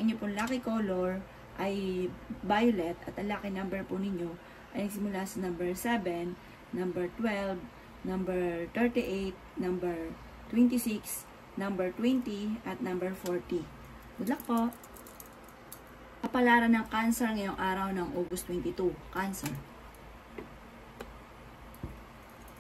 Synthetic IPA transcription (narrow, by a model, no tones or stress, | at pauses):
ɐŋʔɪɲopʊnlaːkɪkoːloɹ | ʔɐjbajolɛt̪ɐt̪ɐnlaːkɪŋnɐmbɛɹpʊnɪɲo̞ | ʔɐjnɐɡsɪmʊlasɐnɐmbɛɹsɛbɛnː | ɐmbɛɹt̪wɛlv | nɐmbɛɹt̪ɛɹt̪iʔejt̪̚nɐmbɛɹ | t̪wɛnt̪ɪsiks | nɐmbɛɹt̪wɛnt̪iʔɐt̪̚nɐmbɛɹfoɹt̪i | mɐlɐk̚poʔ | ʔɐpɐlaːɾɐnɐŋkansɛɹŋɐjo̞ŋʔaːɾɐwnɐŋʔoːɡʊst̪wɛnt̪ɪt̪ukansɛɹ